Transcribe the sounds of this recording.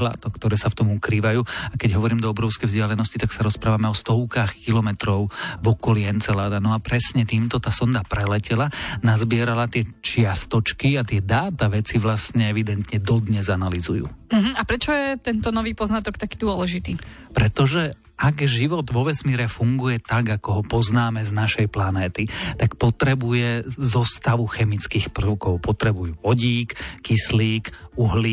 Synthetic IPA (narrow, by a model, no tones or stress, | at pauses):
la̰t̪ɔkt̪ɔɾɛːsaft̪ɔmukɾiːʋajuːakɛɟɦɔʋɔɾiːmd̪ɔɔbɾɔʊskɛjvzɟɪalɛnɔscit̪aksaɾɔspɾaːʋamɛɔst̪ɔʊkaxkilɔmɛt̪ɾɔʊvɔkɔliːɛnt͡sɛlaːd̪anɔapɾɛsɲɛt̪iːmt̪ɔt̪aːsɔnd̪apɾɛlɛcɛlanazbɪɛɾalat̪ɪɛt͡ʃɪast̪ɔt͡ʃkiat̪ɪɛd̪aːt̪aʋɛt͡siʋlast̪ɲɛɛʋid̪ɛnt̪ɲɛd̪ɔd̪ɲɛzanalizujṵːm̩ɦm̩apɾɛt͡ʃɔjɛt̪ɛnt̪ɔnɔʋiːpɔznat̪ɔkt̪akiːd̪ʊɔlɛʒit̪iː | pɾɛt̪ɔʒɛ | ʔaɡʒiʋɔd̪ʋɔʋɛsmiːɾɛfuŋɡujɛt̪aɡakɔɦɔpɔznaːmɛznaʃɛjplanɛːt̪it̪akpɔt̪ɾɛbujɛzɔst̪aʋuxɛmit͡skiːxpr̩ʊkɔʊpɔt̪ɾɛbujuːʋɔɟiːkːisliːkuɦli